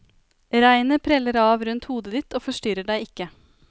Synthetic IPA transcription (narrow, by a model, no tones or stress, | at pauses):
ɾæɪnəpʰɾɛləɾɑːʋɾʉnt̪huːd̪əd̪ɪt̪oːfɔʂʈʏɾəɖæɪɪkːə